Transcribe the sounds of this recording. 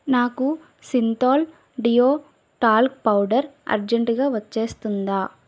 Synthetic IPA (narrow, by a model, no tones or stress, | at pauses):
naːku | sint̪aːl | ɖijoː | ʈaːlk̚pɐwɖɐɾɐ̰ɾd͡ʒeɳʈɡaːʋɐt͡ʃːe̞ːst̪und̪aː